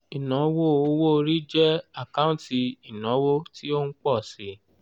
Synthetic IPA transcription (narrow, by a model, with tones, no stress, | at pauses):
i˨nɔ̃˨˦wo˦o˧˦wo˦o˧ɾi˦d͡ʒɛ˦a˨kã˦ũ˦ti˧i˨nɔ̃˨˦wo˦ti˦o˦n̩˦k͡pɔ˦˨si˨˦